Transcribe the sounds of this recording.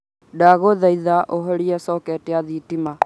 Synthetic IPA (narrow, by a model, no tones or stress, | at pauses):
daɣoðaiðaʔoɦɔɾiɛsɔkɛtiaðitima